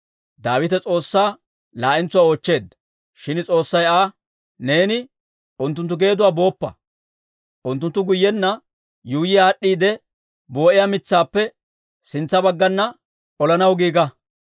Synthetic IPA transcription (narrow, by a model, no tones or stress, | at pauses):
d̪aːwɪt̪ɛt͡sʼo̞ːsːaː | laːʔɪnt͡sːʊwaːoːt͡ʃːe̞ːd̪ːɐ | ʃɪnt͡sʼo̞ːsːɐjaː | ne̞ːnɪ | ʔʊnt̪̬ːʊnt̪̬ːʊɡe̞ːd̪ʊwaːbo̞ːpːɐ̰ | ʔʊnt̪ːʊnt̪ːʊɡʊjːɛnːɐ | juːjɪjaːɗːiːd̪ɛ | bo̞ːʔɪjaːmɪt͡sːaːpːɛ | sɪnt͡sːɐbɐɡːɐnːɐ | ʔɔlɐnɐwɡiːɡɐ